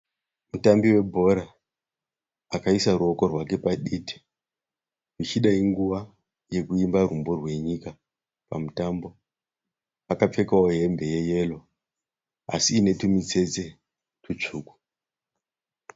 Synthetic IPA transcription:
mutambiwe̞bʱo̞ɾa | kaisaɾuoko̞rwake̞paɗiti̥ | ʐit͡ʃiɗaiŋɡuʋa | je̞kuimbarumborwe̞ɲika | pa̰mutambo̞ | akap͡fe̞kawoɦe̞mbe̞je̞je̞lo̞ | a̰siːne̞tumit͡se̞d͡ze̞ | tut͡ʂuːku̥

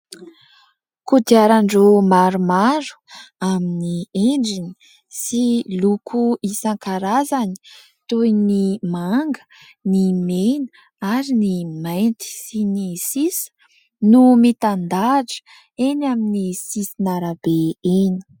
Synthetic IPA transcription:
kud̪iaɾaɳɖ͡ʐomaɾumaɾu̥aminieɳɖ͡ʐini̥ | silukʰuisaŋkaɾazani̥ | t̪ojnimaŋɡə̥ | nimenə̥ | aɾinimajnt̪i̥sinisisə̥ | numit̪and̪aʈ͡ʂə̥ | enaminisisinaɾabeeni̥

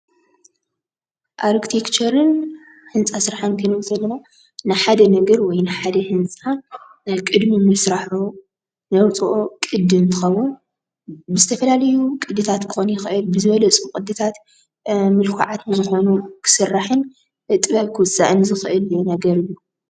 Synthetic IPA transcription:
ʔaɾkt̪ʰekt͡ʃʰɐɾɨn | hɨnt͡sʼasɾaħɨnkʰɨnwzʼɐlːɐna | nɨħad̪ɐnɐɡɐɾwɔjnɨħad̪ɐhɨnt͡sʼa | jkʼɨd̪mimɨsɾaħu | nɐwt͡sʼuʔokʼɨd̪ɨnt̪ʰɨxɐwːʊn | bɨzɨt̪ʰɐfɐlalɐjukʼɨd̪ːɨt̪ʰat̪kʰɨ̥xonjɪxɨʔɨlbɨzɨβɐlɐt͡sʼukʼɨd̪ɨt̪ʰat̪ | mɨlkʰa̰ʕat̪ɨzɨxo̞nukʰɨ̥sɨrːaħɨn | ɨt̪ʼɨβɐβkʰɨwɨsʼa̰ʔɨnzɨxɨʔɨljonɐɡɐɾɨjːu

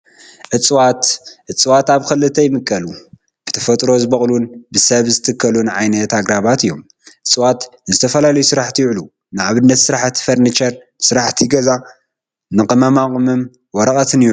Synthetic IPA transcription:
ʔɨt͡sʼwat̪ʔɨt͡sʼwat̪aβkʰɐlɨt̪ʰːɐjmɨkʼːɐlu | b̥ɨ̥t̪ʰɐfɐt̪ʼɾo̞zɨbɐχʼlunbɨsɐβzɨt̪ʰɨkʰːɐlunʕajnɐt̪aɡɾaβat̪ɨjːo̞̰m | ʔɨt͡sʼwat̪nzɨt̪ʰɐfɐlalɐjusɨɾaħt̪ʰijʊʕlu | nɨʕaβɨnːɐt̪sɨɾaħt̪ʰːi̥fɐɾnit͡ʃɐɾ | sɨɾaħt̪ʰiɡɐza | nɨkʼɨmɐmakʼmɨm | wɔɾɐkʼɐt̪ʰɨneɾu

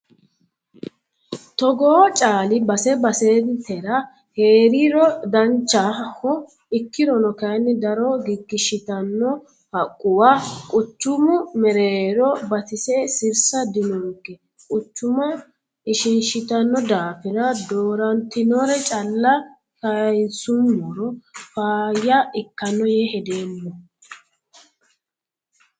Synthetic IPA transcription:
t̪ɔɡoːt͡ʃʼaːlɪbɐsɛbɐseːnt̪ɛɾɐ | heːɾiɾɔd̪ɐnt͡ʃːahɔ | ɪkːɪɾɔnɔkɐjnːɪd̪ɐɾɔɡɪɡːɪʃɪt̪ɐnːɔ | hɐkʼːʊwaːkʼʊt͡ʃːʊmʊmɛɾeɾɔbɐt̪ɪsɛsɪɾsɐd̪ɪnɔkːɛ | kʼʊt͡ʃːʊmɐ | ɪʃɪnʃɪt̪ɐnːɔd̪aːfɪɾɐd̪oːɾɐnt̪ɪnɔɾɛt͡ʃʼɐlːɐ | kɐjsʊmːɔɾɔfaːjːɐʔɪkːɐnːɔjɛhɛd̪eːmːɔ

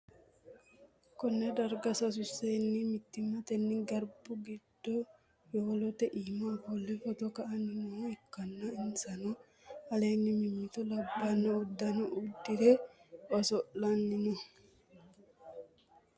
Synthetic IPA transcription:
kɔnːɛd̪ɐɾɡɐsɐs̬ʊsːenːɪmɪt̪ːɪmːɐt̪ɛnːɪɡɐɾbʊɡɪd̪̥ːɔ | joːlɔt̪ɛʔiːmabɔlːɛfɔt̪ɔkɐʔɐnːɪnɔɛkːɐnːɐɪnsɐnɔ | ɐleːnːɪmɪmːɪt̪ɔlɐbːɐnːɐʊd̪ːɐnɔʔud̪ːɪd̪ɛɔsɔʔɐnːɪnʊ

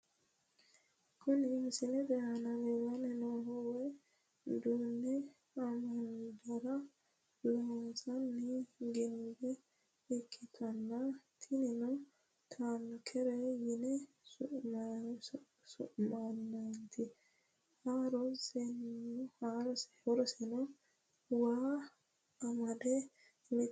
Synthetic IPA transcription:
kɔniːŋsinɛbɛanalɛwanɛnɔɦɔwɛ | d̪unːɛ | amand̪ɔɾa | lɔsanːiɡinbɛː | kʰːit̪ʰanːat̪ʰininɔ | t̪ʰankʰɛɾɛjɪnɛ | sʊʔm | sʊ̰ʔmanːɐnt̪ʰɪ | haːɾɔsɛnhaɾɔsɛ̥ɔɾɔsɛnɔ | waː | ɐmɐd̪ɛ | mɪ

